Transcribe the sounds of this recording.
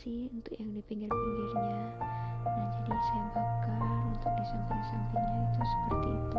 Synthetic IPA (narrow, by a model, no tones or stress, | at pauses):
siunt̪ʊkjaŋdipiŋɡɪrpiŋɡɪrɲa | nad͡ʒadisaabakanunt̪ʊk̚disampinisampiɲait̪usə̥pərt̪iːt̪u